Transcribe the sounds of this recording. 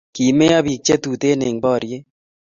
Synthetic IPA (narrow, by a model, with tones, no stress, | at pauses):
ki˨me˦a˦βi˨k̚t͡ʃe˦t̪u˨t̪e˦ne˨ŋbɔː˦˨ɾje˦